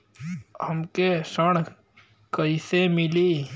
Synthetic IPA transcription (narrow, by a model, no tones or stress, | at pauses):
həmkesəɳ̃ | kəisemɪli